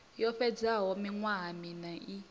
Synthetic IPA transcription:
jɔɸɛd͡zaɦɔmiŋwaɦminaʔi

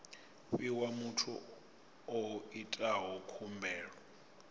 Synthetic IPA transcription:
βiwamutʰṵ | ɔitʼaɦɔkʰumbʱɛːɺɔ

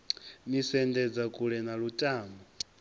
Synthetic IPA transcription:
misɛndɛd͡zakʼuɺɛnaɺutʼaːmbɔ

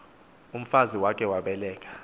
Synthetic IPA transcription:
um̩faziwak̬ʼɛwaɓɛlɛːk̬ʼḁ

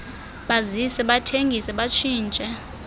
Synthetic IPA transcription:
ɓazisɛɓatʰeŋɡʱisɛɓat͡ʃʰiːnt͡ʃʼɛ

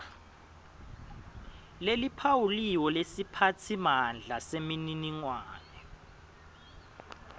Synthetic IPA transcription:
lelipʰawuliwɔlesipʰatʰimand͡ɮʱasemininiŋwaːnɛ

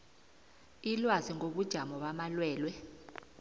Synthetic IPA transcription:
ilwaziŋoɓud̥ʒ̥ʱamɔɓamalwɛːlwɛ

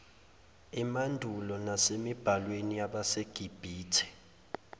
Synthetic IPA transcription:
imandʱulɔnasemib̥ʱalweniaɓaseɡ̥ʱib̥ʱiːtʰɛ̥

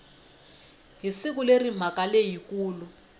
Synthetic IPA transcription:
ɦisik̬ulerim̤akalejikuːlu

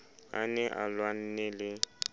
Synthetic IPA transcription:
a̰nɛʔa̰lwan̩nɛlɪ

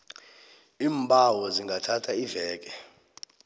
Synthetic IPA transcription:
iːmbʱʼawɔziŋɡʱatʰatʰaivɛːk̬ɛ

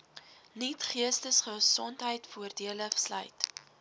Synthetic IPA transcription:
nitχiəstəsχəsɔntɦəjtfuərdiələslœ̰jt

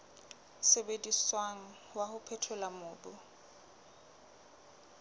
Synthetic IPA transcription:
sebediswaŋ̩ | wahʊpʰɛtʰʊlamʊːbʊ

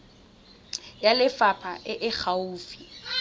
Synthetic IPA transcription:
jalɪfapʰaʔɪʔɪχʰauːfi̥

